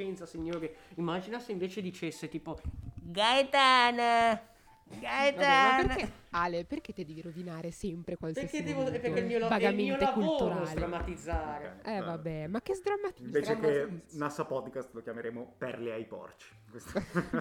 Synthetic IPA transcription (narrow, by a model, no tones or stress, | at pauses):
ɛnt̪sasiɲːoːɾokeimːad͡ʒinaseiɱveːt͡ʃed̪it͡ʃesːet̪iːpoɡajt̪an | ɡajt̪aperealeperk̟ed̪ed̪eːviɾovinaːɾesɛmpɾekwalseiaseid̪eːvopːeemiːolavaɡɡamẽioleavulot̪ːuɾaozld̪eɾamat̪id̪zːaːɾeɛvabɛmak̟ːezd̪ɾamːat̪iɱveːɾekenasapɔd̪kast̪lokjameɾeːmopɛrleajpɔ̰rt͡ʃi̥kwest̪